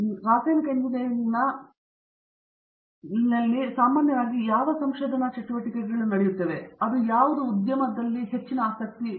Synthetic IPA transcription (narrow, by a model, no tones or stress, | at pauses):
ɾaːseːnɐkend̪inejɐnːɐ | inːɐlːisaːmaːnjɐʋaːɡijaːʋɐsɐmʃoːd̪ʱɐnɐt͡ʃɐʈːuʋɐʈːikeʈɡɐɭunɐɽejut̪ːeːʋe̞ɐd̪ujaːʋud̪uːd̪jɐmɐd̪ɐlːiɦe̞t͡ʃːinɐaːsɐk̚t̪i